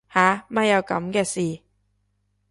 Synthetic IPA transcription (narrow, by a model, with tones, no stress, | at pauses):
haː˨˥mɐ˧˩jɐ˨˧wkɐ̰˨˧˥mkɛː˧siː˨